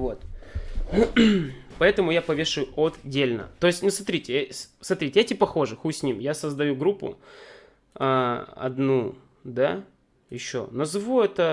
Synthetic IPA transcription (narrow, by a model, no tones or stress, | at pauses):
vo̞t̪ | pɐɛt̪əmʊjapɐvʲeʂɨjʊʔot̪dʲelʲnə̰t̪o̞ɪsʲtʲnusmɐt̪ɾʲitʲɪsmɐt̪ɾʲitʲɪjatʲipɐxo̞ʐɨxusʲnʲimjasəzd̪ɐjuɡɾupːʊ̰ | aɐ̰d̪nu | d̪a | jɪɕːo̞̰nɐzvuɛt̪ə